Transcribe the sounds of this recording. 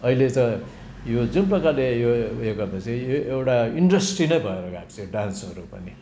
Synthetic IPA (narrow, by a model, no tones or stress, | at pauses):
ʌilet͡sʌ̃ | jod͡zunprʌkalejoekabʌt͡sijoewʈaiɳɖʌsʈrinʌjbʱʌeɾʌɡakt͡siɖansʌɾupʌni